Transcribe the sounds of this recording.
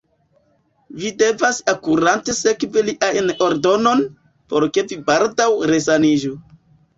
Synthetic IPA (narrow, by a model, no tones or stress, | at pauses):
vide̞vasakuɾante̞se̞kveliʔajno̞ɾdo̞no̞n | po̞ɾke̞vibaldawɾe̞sanid͡ʒu